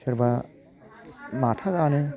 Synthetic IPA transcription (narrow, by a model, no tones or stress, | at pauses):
sʰɯɾba | matʰaɡanɯ